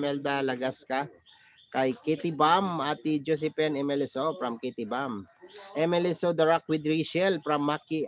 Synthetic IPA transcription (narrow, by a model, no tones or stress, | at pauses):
mɛld̪alɐɡaska | kɐjkɛt̪ibamat̪ːid͡ʒos̬ɛpɛnɛmɛlɛsofɾɐmkit̪ibamʔɛmɛlɪsod̪ɐɹak̚wɪd̪ɾiʃɛlpɾɐmːaki